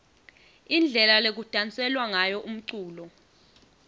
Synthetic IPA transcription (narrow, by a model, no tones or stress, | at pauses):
ind͡ɮʱɛlalek̬ud̥ʼʱant͡sʼɛlwaŋajɔʔum̩ǀuːlɔ